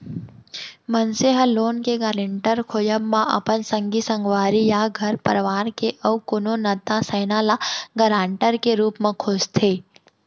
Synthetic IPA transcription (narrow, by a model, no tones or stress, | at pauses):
mənseɦəloːnkeɡaɾəɳʈəɾkʰojəbmãʔɐ̰pənsə̃ŋɡisə̃ŋɡʋaːɾijaɡʱɐɾpɐɾʋaːɾkeʔəwkononɐt̪asəɪnaːlaɡɐɾãːɳʈəɾkeɾuːpmẽkʰod͡ʒt̪ʰeː